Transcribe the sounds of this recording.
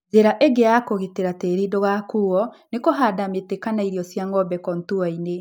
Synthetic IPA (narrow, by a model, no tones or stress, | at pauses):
zeɾaʔeɡeakoɣiteɾateɾidoɣakuɔnekoɦadametekanaiɾiɔsjaŋɔbɛkɔntuaine